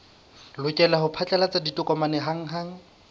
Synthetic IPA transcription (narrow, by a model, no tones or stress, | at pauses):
lʊkʼɛlahʊpʰat͡ɬʼalat͡sʼaditʼʊkʼɔmanɛɦaŋ̩ɦaŋ̩